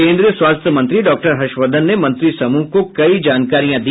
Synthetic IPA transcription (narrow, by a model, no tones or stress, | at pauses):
ẽːnd̪ɾijəswaːst̪ʰjəmɐ̃nt̪ɾiɖɔːk̚ʈəɾɦɐʃʋəd̪ʱənːemɐ̃nt̪ɾisɐmuːɦkokɐid͡ʒaːnkaːɾijãd̪i